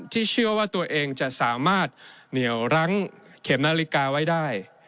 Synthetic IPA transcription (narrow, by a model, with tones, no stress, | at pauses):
t̪ʰiː˥˩t͡ɕʰɯ˥˩əwaː˥˩t̪u˧ɐʔeː˧ŋt͡ɕa˨˩ʔsaː˩˦maː˥˩t̪̚ni˩˦əwɾa˦˥ŋkʰe˩˦mnaː˧li˦˥kaː˧wa˦˥jdaː˥˩j